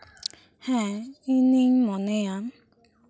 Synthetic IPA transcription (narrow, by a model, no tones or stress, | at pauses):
hɛiniɲmɔnejan